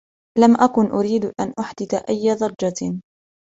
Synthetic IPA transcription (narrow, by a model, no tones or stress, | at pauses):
lamʔakʊnʔʊɾiːd̪ʔanʔʊħd̪ɪθaʔajːaðˤɑɾˤd͡ʒa